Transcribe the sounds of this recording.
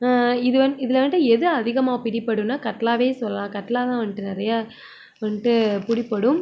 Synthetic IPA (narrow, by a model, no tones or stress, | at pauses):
aɪðɯʋɐnɪðɪlɐʋɐɳʈːɯɛðɯɐðɪɣɐmaːpɪɽɪpːɐɽɯnaːkɐʈːlaːʋeːsɔlːɐlãːkɐʈːlaːt̪ãːʋɐɳːʈɯnɪɾɐja | ʋɐɳʈɯpʊɽɪpːɐɽɯm